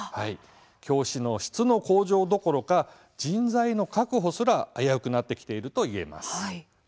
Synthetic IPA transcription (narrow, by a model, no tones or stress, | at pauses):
hai | kʲo̞ːɕino̞ɕi̥t͡sɨno̞ko̞ːʑo̞ːd̪o̞ko̞ɾo̞ka | d͡ʑĩnd͡zaino̞kakɯ̟ɦo̞sɨɾaːjaɯ̟kɯ̟nat̪ːe̞kʲi̥t̪e̞iɾɯ̟t̪o̞ie̞̰ma̰sɨ̥